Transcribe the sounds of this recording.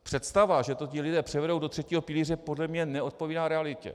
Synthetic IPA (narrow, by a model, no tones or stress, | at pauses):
pr̥ɛt̪st̪avaʒɛt̪o̞cɪlɪdɛːpr̥ɛvɛdowdot̪r̥ɛciːɦo̞pɪliːrɛpo̞dlɛmɲɛnɛʔo̞t̪̚po̞viːnaːɾɛalɪcɛ̰